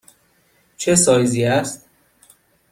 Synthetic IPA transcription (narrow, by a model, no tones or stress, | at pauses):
t͡ʃʰesɒːjziːæst̪̚